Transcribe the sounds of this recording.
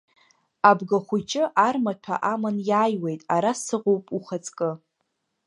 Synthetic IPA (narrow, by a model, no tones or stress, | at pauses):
abɡaχʷut͡ʃʼɪʔarmatʷʰa̰ʔamanjaːjwe̞jtʼaɾassɨʁʷowpʼuχat͡sʼkʼɨ